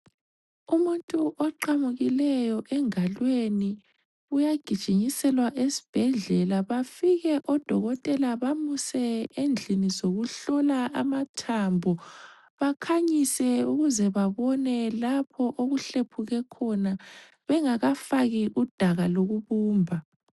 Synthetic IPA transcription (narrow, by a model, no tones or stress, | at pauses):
umuntʼuʔɔǃamuɣilɛjɔʔɛŋalweni | ujaɡ̥ʱid̥ʒ̥ʱiɲisɛlwaʔesi̥b̥ʱɛɮɛlaβafiɣɛʔɔd̥ʱɔɣɔtʼɛlaβamusɛend͡ɮʱinizoɣuɬɔlaamatʰambʱɔ | βakʰaɲisɛuɣuzɛβaβɔnɛlapʰɔʔoɣuɬepʰuɣɛkʰɔna | βɛŋaɣafaɣiʔud̥ʱaɣaloɣuβuːmbʱa